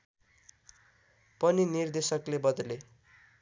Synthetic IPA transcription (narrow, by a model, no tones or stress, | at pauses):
pʌninird̪esʌklebʌd̪ʌle